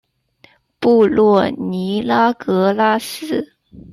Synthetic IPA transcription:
pu˥˧lwɔ˥˩ni˧˥la˥kɤ˧˥la˥sɹ̩˥˩

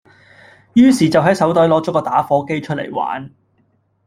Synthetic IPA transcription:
jyː˥siː˨˩t͡sɐ˨wɦɐ˨˥jsɐ˨˥wt̪ɔː˨˥jlɔː˨˥t͡sɔː˨˥kɔː˧t̪aː˨˥fɔː˨˧˥ke˥jt͡ʃʰɵ˥t̚lḛ˨˩jwa̰ː˨˥n

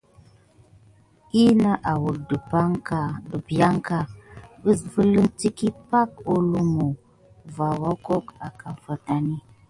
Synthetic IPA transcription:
i˦na˦ʔa˨wu˨də˨pa˦ŋka˨də˨bja˦ŋka˨bə˦və˦lə˦nti˦ki˦pa˦k̚o˦lu˦mu˨ | va˨wa˦ko˦ka˨ka˨ɱ˨fə˨ta˨ni˦

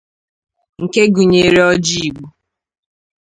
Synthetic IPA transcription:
ŋ̩˨ke˦ɡu˨ɲe˨ɾe˦ɔ˦d͡ʒi˦i˨ɡ͡bu˨

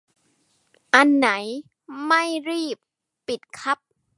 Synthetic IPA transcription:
ʔa˧nːa˩˦j | ma˥˩jɾiː˥˩pː | i˨˩t̪̚kʰa˦˥p̚

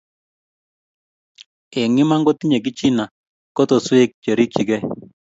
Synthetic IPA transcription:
e˨ŋɪ˦ma˦ŋɡɔ˦ti˦ɲe˨k̬i˦t͡ʃi˦na˨ | kɔ˦tɔ˨swe˦k̚t͡ʃe˨ɾi˦kt͡ʃi˨ɡɛ˦

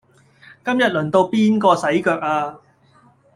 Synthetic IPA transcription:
kɐ˥mjɐ˨t̚lɵ˨˩nt̪o˧wpiː˥nkɔː˧sɐ˨˥jkœː˧k̚aː˧

